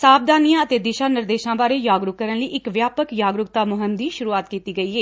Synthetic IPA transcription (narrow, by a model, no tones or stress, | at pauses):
saːp̚d̪aːnijãːət̪eːd̪ɪʃãːnɪɾd̪eːʃãːbaːɾeːjaːɡɾʊkkəɾənləiːʔɪkʋjaːpəkjaːɡɾʊk̚t̪aːmʊɦəmd̪iːʃʊɾuːaːt̪kiːt̪iːɡəiːɦeː